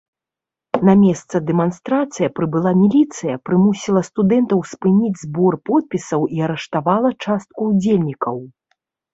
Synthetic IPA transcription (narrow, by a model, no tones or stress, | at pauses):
namʲɛst̪sɐd̪ɛmanst̪ɾat̪sɨjɐpɾɨbɨlˠamʲilʲit̪sɨjɐpɾɨmusʲilˠɐst̪ud̪ɛnt̪ɐwspɨnʲid͡zʲzbɔrpɔt̪̚pʲisɐwiɐɾɛʂt̪avalˠɐt͡ʂast̪̚kuːd͡zʲelʲnʲikɐw